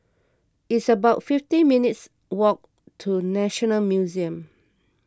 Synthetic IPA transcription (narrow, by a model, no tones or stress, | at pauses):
itsəbaʊtfiftĩminits | wɔk̚ | tʰunɛʃɔnəlmjuziə̃m